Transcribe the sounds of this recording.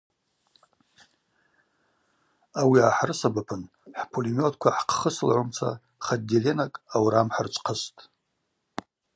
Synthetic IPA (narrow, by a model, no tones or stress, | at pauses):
awiaħrɨsabapʰɨn | ħpʰolimjotʰʼkʷʰaħqʰχəsɨlʕumt͡sʷʰa̰ | χaddelenakʼawɾamħart͡ʃʷʰʼqʰəstʼ